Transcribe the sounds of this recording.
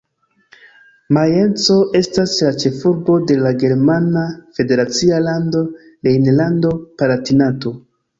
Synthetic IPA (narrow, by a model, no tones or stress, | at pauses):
maje̞nt͡so̞ʔe̞staslat͡ʃe̞fuɾbo̞de̞laɡe̞ɾmanafe̞de̞ɾat͡sialando̞ | lejnlando̞palatinato̞